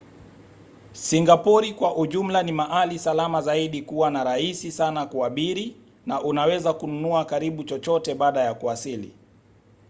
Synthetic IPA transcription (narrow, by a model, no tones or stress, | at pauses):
siŋɡapɔɾikwaʔuʄum̩lanimaʔalisalamazaiɗikuwanaɾaisisanakuaɓiɾi | naʔunawɛzakununuakaɾiɓut͡ʃɔt͡ʃɔtɛɓaːɗajakuasilḭ